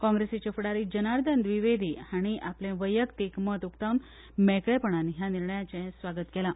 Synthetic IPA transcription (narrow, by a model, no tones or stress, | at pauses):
kɔ̃ŋɡɾeset͡ɕəfɽaɾid͡ʑənaɾd̪and̪ʋiʋed̪ʱiːaɽ̃iʔaplẽʋəjəkt̪ikmət̪ukt̪awn | mɛkɭɛpəɳ̃anɦjaniɾɳəjat͡ɕɛ̃sʋaɡət̪kɛla